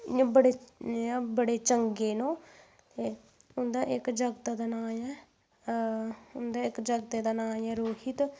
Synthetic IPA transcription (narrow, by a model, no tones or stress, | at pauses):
bəɽẽː | bəɽeːt͡ʃəŋɡeːnõː | t̪eː | ʊnd̪aːʔɪkd͡ʒəɡt̪ːd̪aːnaːɛː | ʊnd̪aːɪkd͡ʒəɡt̪eːd̪aːnaːɛːɾoːkʰɪt̪